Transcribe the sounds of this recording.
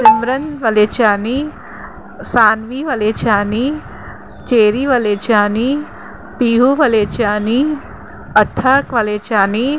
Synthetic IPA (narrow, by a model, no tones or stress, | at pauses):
sɪmɾɐnʋɐleːt͡ʃaːni | saːnʋiʋɐleːt͡ʃaːni | t͡ʃeːɾiʋɐleːt͡ʃaːni | piːɦuʋɐleːt͡ʃaːni | ɐt̪ʰːɐɾkʋɐleːt͡ʃaːni